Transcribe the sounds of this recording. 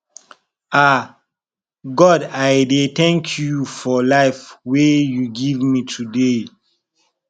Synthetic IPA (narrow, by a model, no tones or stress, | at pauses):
a | ɡɔdajdetɛ̃ŋkʰjufɔlaɪfwejuɡivmitʰude